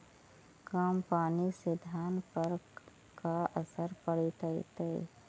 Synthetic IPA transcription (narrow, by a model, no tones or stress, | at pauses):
kampaːnisɪd̪ʱaːnpəɾ | kaʔəsəɾpəɽit̪əḭt̪e